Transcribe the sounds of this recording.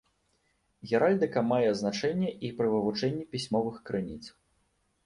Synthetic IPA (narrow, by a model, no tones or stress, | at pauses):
ɣʲɛɾalʲd̪ɨkɐmajɛznat͡ʂɛnʲːɛʔipɾɨvɨvut͡ʂɛnʲːipʲisʲmɔvɨxkɾɨnʲḭt̪s